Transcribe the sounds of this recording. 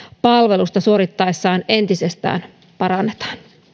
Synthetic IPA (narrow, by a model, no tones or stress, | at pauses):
pɑlʋe̞lust̪ɑsuo̞ɾit̪ːɑjsːɑːne̞nt̪isest̪æ̰ːn | pɑɾɑnːet̪ɑ̥ːn